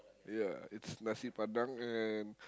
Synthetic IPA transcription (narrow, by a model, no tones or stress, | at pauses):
jaɪtsnasipadaŋɛn